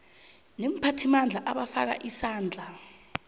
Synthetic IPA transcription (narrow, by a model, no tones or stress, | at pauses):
nem̩pʰatʰimand͡ɮʱaʔaɓafa̰k̬a̰ʔisaːnd͡ɮʱa